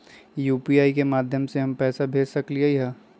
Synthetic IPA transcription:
juːpiaːikemaːd̪ʱjəmseɦɐmpɛːsabʱeːd͡ʒsɐkliaiɦɛː

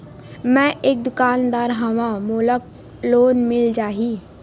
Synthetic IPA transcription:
mɛ̃ʔeːk̚d̪ʊkaːnd̪aːɾɦəmãmoːlək̚ | loːnmɪld͡ʒaːɦiː

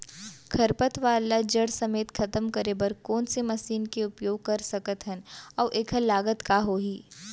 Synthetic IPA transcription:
kʰɐɾpət̪ʋaːlad͡ʒɐɽsɐmeːt̪kʰɐt̪əmkɐɾebɐɾkɔːnsemɐsiːnkeʊpjoːɡ̚kɐɾsɐkət̪ɦɛnɔːʔeːkʰəlaːɡət̪kaɦoːɦiː

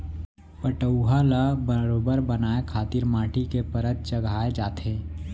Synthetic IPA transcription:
pəʈəwɦalabəɾoːbəɾbənaːekʰaːt̪ɪɾmãːʈikepəɾət̪̚t͡ʃəɡʱaːed͡ʒaːt̪ɦẽː

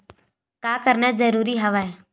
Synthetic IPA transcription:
kaːkəɾnɛd͡ʒəɾuːɾiɦəʋaːeː

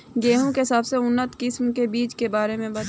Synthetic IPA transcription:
ɡeːɦõkeɪsaːbseʊnːət̪kɪsmkebiːt͡ʃkebaːɾemẽbɐ

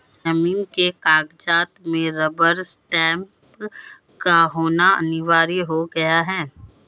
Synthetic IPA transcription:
d͡ʒɐmiːnkekaːɡd͡ʒaːt̪mẽɾəbəɾsʈɛ̃ːmp | kaɦoːnaɐ̰nɪʋaːɾiɦoɡɐjaɦɛː

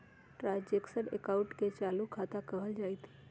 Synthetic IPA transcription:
ʈɾaːd͡ʒeksəɽḛkaʊʈket͡ʃaːlukʰaːt̪akəɦəld͡ʒaːit̪i̥

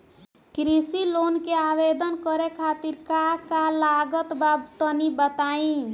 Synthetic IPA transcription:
kɾisilonkeabed̪ənkəɾekʰat̪iɾkakalaɡət̪babt̪ənibət̪aĩ

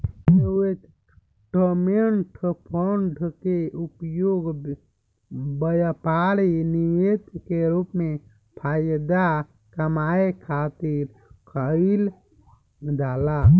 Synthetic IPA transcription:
e | ʈomeɳʈpʰoɳɖʱkeʔupjoɡ | bəjapaɾinijet̪keɾupme | pʰajd̪a | kəmaekʰat̪iɾ | kʰəil | d̪ala

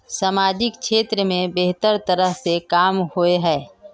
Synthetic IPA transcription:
saːmaːd͡ʒɪkʃeːt̪ɾəmẽbeɦt̪əɾt̪əɾəɦsekaːmhoeɦɛː

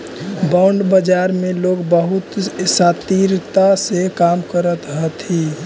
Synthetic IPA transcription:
baʊɳɖbəd͡ʒaɾmeloɡbəɦut̪sat̪iɾt̪asekamkəɾət̪ɦət̪i

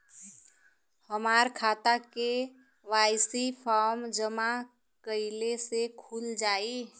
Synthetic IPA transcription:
həmaːɾkʰaːt̪ake | ʋaːɪsipʰaːɾmd͡ʒəma | kəɪlesekʰuld͡ʒaːi

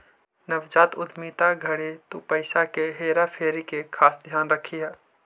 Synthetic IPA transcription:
nəʋd͡ʒaːt̪ʊd̪miːt̪aɡʱəɽet̪opəɪsakeɦeːɾapʰeːɾikekʰaːsd̪ʱjaːnɾəkʰijaː

